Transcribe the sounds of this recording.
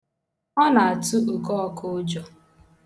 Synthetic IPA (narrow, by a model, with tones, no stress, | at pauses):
ɔ˦na˨a˨tu˦u˨kɔ˦˨kʰʊ˦d͡ʒɔ˨